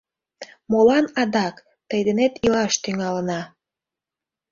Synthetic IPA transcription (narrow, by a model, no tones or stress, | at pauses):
molɑnɑd̪ɑk | t̪əjd̪enet̪ilɑʃt̪yŋɑlənɑ